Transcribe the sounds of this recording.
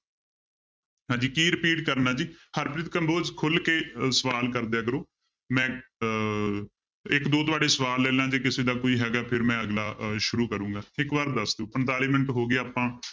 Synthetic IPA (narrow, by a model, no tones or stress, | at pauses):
ɦãːd͡ʒiːkiːɾɪpiːʈkəɾənaːd͡ʒiːhəɾpɾɪt̪kəmboːd͡ʒkʰʊlkeːsəʋaːlkəɾd̪eːkəɾoː | mɛ̃ː | ɪkd̪oːt̪ʊʋaːɖeːsəʋaːlːeːlãːd͡ʒeːkɪseːd̪aːkoːiːɦɛːɡaːpʰɪɾmɛ̃ːəɡlaːʃʊɾuːkəɾũːŋɡaːɪkʋəɾ̚d̪əsd̪ũːpəɳt̪aːliːməɳʈɦoːɡeaːpãː